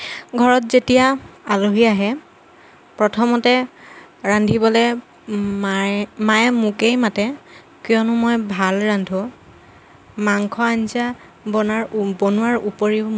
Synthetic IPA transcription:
ɡʱɔɹɔtzetijaaluɦiaɦɛ | pɹɔtʰɔmɔtɛ | ɹandʱibɔlɛ | mmajmukejmatɛ | kjɔnʊmojbʱalɹandʱɔ | maŋkʰɔansa | bɔnaɹbonʊwaɹupɔɹiʊ

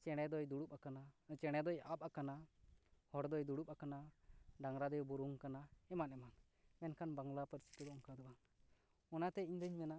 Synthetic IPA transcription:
t͡ʃɛɽ̃ɛd̪ɔjd̪uɽupakanat͡ʃɛɽ̃ɛd̪ɔjap̚akana | hɔɾd̪ɔjd̪uɽup̚akanaɖaŋɾad̪ɔjbuɾuŋkanaɛmanɛman | mɛnkʰanbaŋɡlapəɾsi̥t̪ɔd̪ɔɔmkad̪ɔban | ɔnat̪ɛiɲd̪əɲmɛna

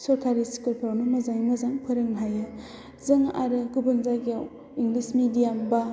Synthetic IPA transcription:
sɔɾkʰaɾisi̥kɯlpʰɾawnumɐzaŋmɐzaŋpʰɯɾɯŋnɦajɯ | zɯŋa̰ɾɯɡubɯnzaɡijaw | iŋɡlismidijamba

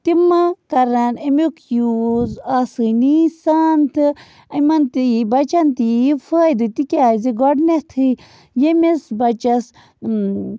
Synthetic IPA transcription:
t̪imakɐɾanemukʰjuzasɨnisaːnt̪ʰɨ | ɐmɐnt̪iibɐt͡ʃɐnt̪ifʰəːjd̪ɨt̪ikʲaːziɡɔɖnet̪ʰɨ | jemesbɐt͡ʃɐs

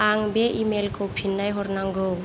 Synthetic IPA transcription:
aŋbeʔimelkowpʰinːajɦɔɾnaŋɡow

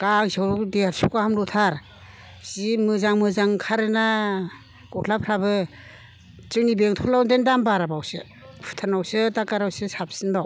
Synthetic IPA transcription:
ɡ̥aŋzawɾdeaɾsukahamlɔtʰaɾ | simɯzaŋmɯzaŋkʰaɾɯna | kɔtʰlapʰɾabɯ | t͡ʃɯnibeŋtʰulawndendambaɾabawsɯ̰ | pʰɯ̥tʰanawsɯtakaɾawsɯsap̚sɯnbaw

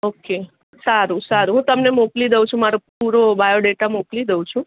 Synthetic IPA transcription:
oke | saɾũsaɾuɦũt̪əmnemoklid̪eʋũt͡ʃʰũmaɾopuɾobajoɖeʈamoklid̪eũt͡ʃʰũ

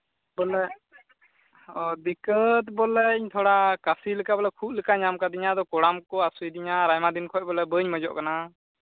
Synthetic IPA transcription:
bɔlɛ | ɔd̪ikət̪bɔlɛiɲt̪ʰɔɽakasiləkabɔlɛkʰuʔ̚ləkaʔɲamkad̪iɲad̪ɔkɔɽamkɔasujd̪iɲaɾajmad̪inkʰɔc̚bɔlɛbəɲməd͡ʒɔ̰ʔkana

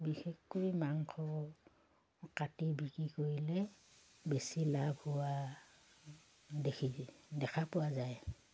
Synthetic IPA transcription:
bixexkojmaŋkʰɔ | katibikɹikoɹilɛ | besilabʱhʊwa | dekʰidɛkʰapʊwazaj

